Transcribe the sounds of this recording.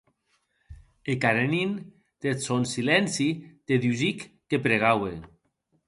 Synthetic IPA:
ekaɾenin | t̪esonsilɛnsit̪eðyzikːepɾeɣawḛ

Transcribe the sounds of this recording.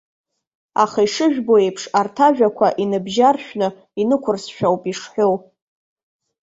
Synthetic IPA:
a̰χaiʂɨʒᶣboejpʰʂartʰaʒᶣakʷʰaʔinɨbʒarʃᶣnɨ | inɨkʷʰʊrsʃᶣawpʼiʂħʷᶣow

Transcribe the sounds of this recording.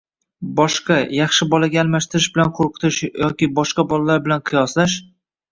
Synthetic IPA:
bɒʃqɑjɑχʃɪbɒlaɡʲaːlˠmaʃt̪ɪɾɪʃbɪlanqʰoɾqʰɨ̥t̪ʰɪʃjɒkʲɪbɒʃqɑbɒlalaɾbɪlanqʰɨjɒslaʃ

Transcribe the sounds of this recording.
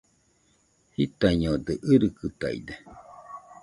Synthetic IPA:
hit̪aiɲod̪ɨʔɨɾɨkɯt̪a̰ḭd̪e

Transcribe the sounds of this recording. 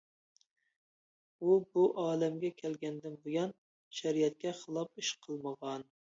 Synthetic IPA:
ubuʔɑːlɛmɡʲɛkʲʰɛlɡʲɛnd̪ɪnbojɑn | ʃæɾijɛt̪̚kʲɛχəlˠɑpiʃqʰəlˠməʁɑn

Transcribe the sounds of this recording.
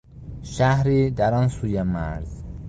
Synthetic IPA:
ʃæhɾiːd̪æɾɒnsuːjemæɾz

